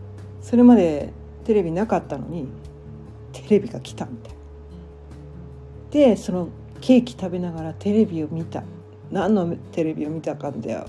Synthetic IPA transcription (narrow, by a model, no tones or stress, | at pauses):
so̞ɾe̞mad̪e̞ | t̪e̞ɾe̞bʲinakat̪ːano̞̰ɲ̟i | t̪ʰe̞ɾe̞bʲiɡakʲi̥t̪amʲit̪ḁjn | d̪̥e̞so̞no̞ | ke̞ːkʲi̥t̪abe̞naɡaɾat̪e̞ɾe̞bʲio̞mʲit̪a̰ | nãnːo̞t̪e̞ɾe̞bʲio̞mʲit̪akand̪a̰jo̰